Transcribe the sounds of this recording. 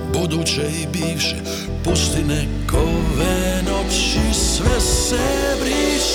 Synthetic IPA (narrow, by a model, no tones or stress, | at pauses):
bud̪ut͡ʃɛibiːwʃɛ | pɔst̪inɛ | kɔvɛnɔpʃisʋɛsɛbɾiːʃ